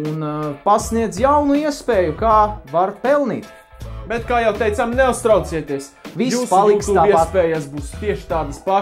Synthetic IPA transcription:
unpasniɛd̪zjawnuiɛspeːjukaːvaɾpɛlˠnḭːt̪ | bɛt̪kaːjawt̪ɛjt̪samnɛust̪ɾawt̪siɛt̪iɛsvij̪uːspalˠiksuaːiɛsspɛːjasbuːst̪iɛʃt̪aːd̪əspa

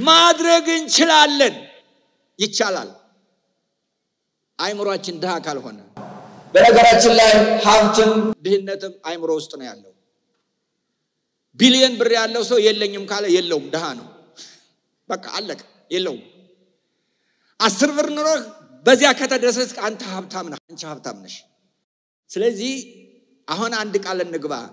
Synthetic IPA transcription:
mad̪ɾəɡɨnt͡ʃɪlalːən | jɪt͡ʃːala̰l | ʔajmɨɾoat͡ʃːɪnd̪ɨhakʰalho̞̰nəbənəɡəɾat͡ʃːɪnlajhaft̪ʰɨnd̪ɨhɨnːət̪ʰɨmajmɨɾowʊst̪ʼnəwja̰lːəwu | bilijɛnbɨrːijalːəwsəwjɛlːəɲːɪmkʰaljɛlːəwumd̪əɦanə̰w | bəkʼːa̰ʔalːəkʼəmjɛlːəwum | ʔasːɨɾbɨɾnoɾobəzːijakʰət̪ʰad̪ɾəs̬skʼant̪ʰəhaβt̪ʰamnəant͡ʃahaβt̪ʰamnɨʃ | sɨləzːih | ʔaɦunand̪kʼalɨnːɨɡβa̰

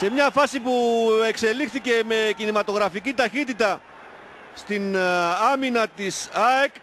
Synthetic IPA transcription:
se̞mɲɐfɐsipue̞kse̞lixθice̞me̞cinimɐt̪o̞ɣɾɐficit̪ɐçit̪it̪ɐ | st̪inɐminɐt̪isɐek

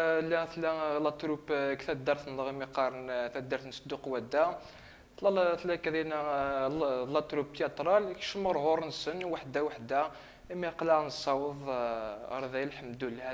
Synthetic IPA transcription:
læθlælɑt̪ɾubkt̪æt̪̚d̪ɑɾˤθnɣimiqɑɾˤnθæd̪ːɑɾθnəsd̪uqwæd̪æ | lθlækdinæ | lɑt̪ɾub̚t̪jɑt̪ɾˤɑlkʃəməɾˤɦʊɾˤnsənwaħd̪æwaħd̪æ | imiqləʕnsˤɑwəð̰ˤ | ɾˤðæjlħəmd̪ulhæ

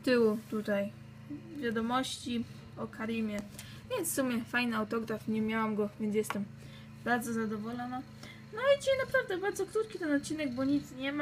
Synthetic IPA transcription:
t̪ɘwut̪ut̪aj | vʲjad̪ɔmɔɕt͡ɕi | ɔkʰaɾimʲjɛ | vʲjɛnt̪sfsumʲjɛfajnɘawt̪ɔɡɾafɲɛmʲjawamɡɔvʲjɛnts̬ʲjɛst̪ɛm | baɾd̪zɔzad̪ɔvɔlɔna | nɔalɛt͡ɕɛjnapɾavd̪ɛbaɾd̪zɔkɾut̪̚kʲit̪ɛnɔt̪̚t͡ɕːinɛɡbɔɲit̪sɲɛma

